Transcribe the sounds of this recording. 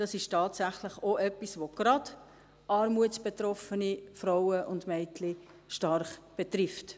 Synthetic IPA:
d̥ɑsɪʃtɑːtsæχləχoʔɛpːisʋoɡ̥ɾɑd̥ | ʔɑːɾmuətsb̥etɾɔfənifɾawəʔʊndmɛɪtʰlɪ | ʃtɑɾχb̥ɛtɾɪft

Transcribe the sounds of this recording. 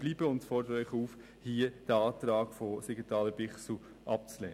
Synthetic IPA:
b̥liːbəʊntfɔrdəɾœʏχuːf | hiːəd̥əɑːtɾɑːɡfosiɡətɑːləb̥ɪχsl̩ | ʔɑp̚t͡slḛː

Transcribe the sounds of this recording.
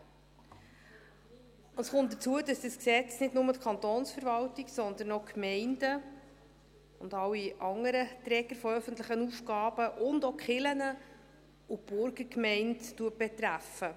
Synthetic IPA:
əsχʊnt̚d̥ət͡suədɑsd̥əsksɛt͡snɪdnʊmətkʰɑnt̪oːnsfəɾvɑltɪɡsɔnd̪ənɔkmɛɪndə | ʊndɑwiʔɑŋəɾət̪ɾɛɡ̥əɾfɔœfən̩t̪lɪχənufɡ̥ɑːb̥əʔʊndokχɪlənə | ub̥ʊɾɡəkmɛɪnttuət̚b̥ɛt̪ɾæfə

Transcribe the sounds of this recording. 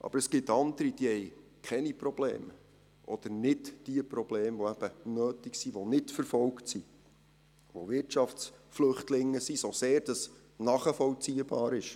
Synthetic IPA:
ʔɑ̰bəɾəsɡ̥ɪt̪ːɑnd̪əɾid̥iɛjkʰɛniprɔb̥lḛːm | ʔɔd̪̥ənɪdd̥iəpɾɔb̥leːmvoæb̥ənøːtiksiʋonɪtfəɾfɔlktsi | ʋoʋɪtt͡ʃɑft͡sflɵχtlɪŋːəsisoseːɾd̥ɑs | nɑχəfɔwt͡siəb̥ɑːɾɪʃ

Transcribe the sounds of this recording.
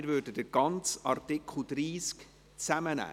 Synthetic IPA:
ɪɾvøːɾdədəɡ̥ɑnt͡sɑrtɪkʰχl̩d̥ɾiːsk | t͡sæmənæ̰ː

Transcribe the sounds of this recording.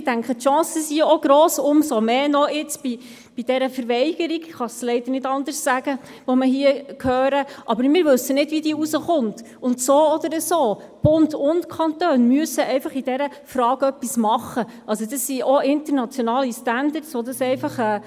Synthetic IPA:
dæŋkχətʃɑ̃ːsəsiɔɡ̥ɾɔːsʊmsɔmeːnɔɪt͡sb̥i | b̥id̥ɛɾəfəɾʋɛɪɡ̥əɾiɡχɑslɛɪd̪əɾnɪdɑndəssæɡ̥ə | ʋɔməɦiəkhøːɾəʔɑbəɾmɪːɾʋɵsːənɪdʋidiːusəχʊnt | ʊntsoːɔdəɾəsoː | b̥ʊndʊntkʰɑntøːnmyəsəɛɪfɑχid̥ɛɾə | fɾɑːɡœpːismɑχːəʔɑls̬odɑsːiɔɪntəɾnɑt͡sjɔnɑːlistændəɾtsʋɔdɑsɛɪfɑχɛː

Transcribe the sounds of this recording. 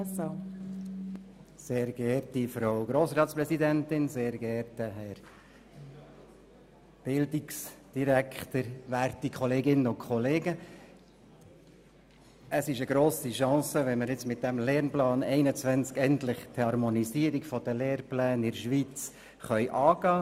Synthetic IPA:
seːɾɡ̥ɛɾtifɾoʊɡɾoːsɾɑːt̪spɾɛsidænt̪ɪnseːɾɡ̥ɛɾtəɦɛɾ | b̥ɪldiksd̥iɾækʰχt̪əɾʋæːɾt̪ikʰχɔleːɡɪnəʊkʰχɔleːɡə | ʔəsɪʃəɡɾoːsiʃɑ̃ːsəʋɛnməɾjɪt͡smɪt̪̚d̥æmlɛːɾnplɑːnɛɪnət͡sʋænt͡skɛnt̪lɪχt̪ʰhhɑɾmonisiːəɾikfɔd̥̪əleːrplæːnɪɾʃʋit͡s | χœʏʔɑːɡ̥ɑː

